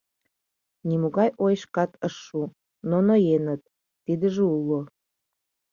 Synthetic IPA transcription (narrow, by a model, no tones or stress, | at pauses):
nimuɣɑjʔojʃkɑt̪əʃːu | nonojenət̪̚ː | id̪əʒeulo